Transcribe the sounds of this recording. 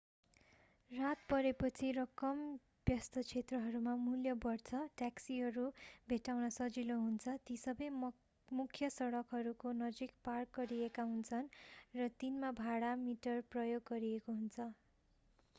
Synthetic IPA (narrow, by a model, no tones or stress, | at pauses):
rat̪̚pʌɾepʌt͡sʰirʌkʌm | bjʌst̪ʌt͡sʰet̪rʌɦʌɾumamuljʌbʌrt͡sʰʌʈaksiɦʌɾubʱeʈawnʌsʌd͡ziloɦunt͡sʰʌt̪isʌbʌj | mukʰjʌsʌɽʌkɦʌɾukonʌd͡zikpark̚ɡʌɾiekaɦunt͡sʰʌnrʌt̪inmabʱaɽamiʈʌrprʌjoɡːʌɾijekoɦunt͡sʰʌ